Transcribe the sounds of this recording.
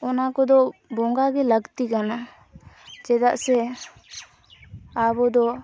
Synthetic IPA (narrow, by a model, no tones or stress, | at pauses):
ɔnakɔd̪ɔbɔŋɡaɡɛləɡt̪ikana | d͡ʒɛd̪aʔsɛ | abɔd̪ɔ